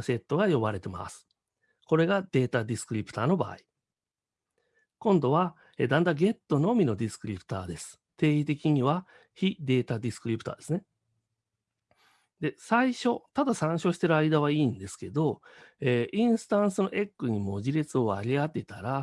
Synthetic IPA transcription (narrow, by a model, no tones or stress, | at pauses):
se̞t̪ːo̞ɡajo̞baɾe̞t̪e̞ma̰sɨ̥ | ko̞ɾe̞ɡad̪̥e̞ːt̪ad̪ʲisɨ̥kɯ̟ɾʲipɯ̟t̪aːno̞ba̰ːi | kõ̞nd̪o̞β̞a | ed̪ãnd̪aɡe̞t̪ːo̞no̞mʲino̞d̪ʲisɨ̥kɯ̟ɾʲipɯ̟̥t̪a̰ːd̪e̞sɨ̥ | t̪e̞ːit̪e̞kʲiɲ̟iβa | çid̪e̞ːt̪ad̪ʲisɨ̥kɯ̟ɾʲipɯ̟̥t̪a̰ːd̪e̞sɨne̞ | d̪e̞saiɕo̞t̪ad̪asãɰ̃ɕo̞ːɕi̥t̪e̞ɾɯaid̪aβ̞aiːnd̪e̞sɨ̥ke̞d̪o̞eːʔĩɰ̃sɨ̥t̪ãɰ̃sɨno̞ʔe̞kːɯ̟ɲ̟imo̞ʑiɾet͡sɨo̞aɾʲiat̪ːet̪aɾa